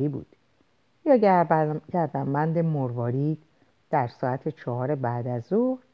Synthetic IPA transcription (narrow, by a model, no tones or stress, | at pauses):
iːbṵːd̪̥ | jɒːcæɾd̪æmbænd̪e̞moɾvɒːɾiː | d̪̥æɾsɒːæt̪ʰet͡ʃʰɒːhɒːɾebæːd̪æzoɾ